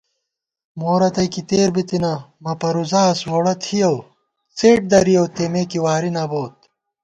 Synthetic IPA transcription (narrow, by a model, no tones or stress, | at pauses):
moːɾɐt̪ɐjkit̪eːɾbit̪inɐmɐpɐɾuzaːswoːɽɐt̪ʰijɐw | t͡seːʈ̚d̪ɐɾijɐwt̪eːmeːkiwaːɾinɐboːt̪̚